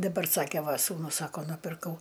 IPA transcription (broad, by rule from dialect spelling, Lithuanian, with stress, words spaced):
dɐˈbɐr ˈsɑːkʲɛ ˈʋɐ suːnʊs ˈsɑːkoː nʊpʲɪrˈkɐʊ